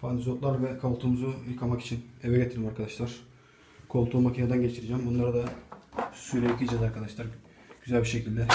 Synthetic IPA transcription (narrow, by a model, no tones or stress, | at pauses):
pʰant̪ʰizot̪lˠaɾvɛkʰalˠt̪ʰumuzujɯkʰamaki̥t͡ʃʰinevɛɟet̪ʰiɾimaɾkʰad̪aʃlˠaɾ̥ | kʰo̞lˠt̪uːmacʰinad̪anɟet͡ʃʰiɾid͡ʒæmbunlˠaɾad̪a | syɾʲeicʲid͡ʒad̪aɾkʰad̪aʃlˠaɾ | ɟ̥yzælʲbiʃecilʲd̪ɛ